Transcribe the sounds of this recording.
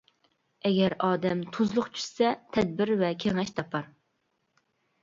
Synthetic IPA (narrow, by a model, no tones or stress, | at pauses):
ɛɡʲɛɾɑːd̪ɛmt̪ʰuzlˠʊqt͡ʃʰy̥ʃsɛt̪ʰɛd̪̚bɪɾvɛkʲʰeŋɛʃt̪ʰɑpʰɑɾ